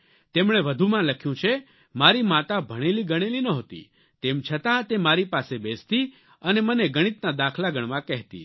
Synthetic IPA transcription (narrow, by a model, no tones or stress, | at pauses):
t̪emɽ̃eʋəd̪ʱumãləkʰjũt͡ʃʰe | maɾimat̪abʱəɽ̃eliɡəɽ̃elinəɦot̪ḭ | t̪emt͡ʃʰət̪ãt̪emaɾipasebest̪i | əneməneɡəɽ̃it̪nad̪akʰlaɡəɽ̃mãkɛɦt̪ḭ